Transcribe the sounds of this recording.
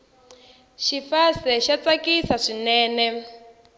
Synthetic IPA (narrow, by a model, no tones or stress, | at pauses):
ʃifasɛʃat͡sakisaʂinɛːnɛ